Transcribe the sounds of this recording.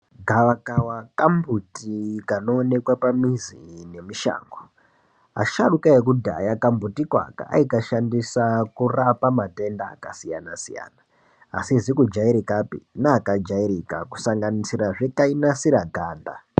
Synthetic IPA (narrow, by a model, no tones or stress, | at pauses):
ɡʱaʋakawakambutikano̞ːne̞kwapamizḭne̞miʃa̰ːŋɡo | a̰ʃaɗukaek̬udʱa̰jakambutikwa̰ka̰ʔa̰ikaʃandisakurapamate̞nda̰ːkasija̰nasija̰ːna̰ː | sizikud͡ʒaiɾikapḭnaːkad͡ʒaiɾika̰ku̥saŋɡanisiɾaʐekainasiɾaɡʱaːnda̰